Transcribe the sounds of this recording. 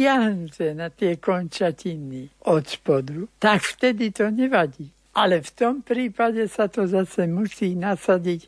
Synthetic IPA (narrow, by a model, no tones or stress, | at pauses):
ɪaɦnut̪ɛnat̪ɪɛkɔnt͡ʃacinːiʔɔt̪pɔd̪ut̪akft̪ɛd̪it̪ɔɲɛʋaɟiː | ʔalɛft̪ɔmpɾiːpaɟɛsat̪ɔzasɛmusiːnasaɟic